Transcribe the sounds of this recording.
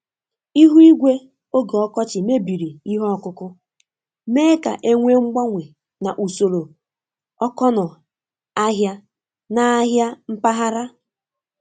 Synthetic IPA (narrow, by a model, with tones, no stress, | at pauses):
i˦ɦu˦i˦ɡʷe˦ | o˦ɡe˨ɔ˦kɔ˦t͡ʃɪ˨me˦bi˨ɾi˨i˦ɦɔ˦ɔ˦kʊ˦kʊ˦ | me˦ka̰˨ʔe˦ŋʷe˦ŋ͡m̩˦ɡ͡ba˦ŋʷe˨ | na˨ʔu˨so˨ɾo˨ | ɔ˦kɔ˦nʊ˨ | a˦ɦja˦ | na˨a˦ɦja˦m̩˦pa˦ɦa˦ɾa˦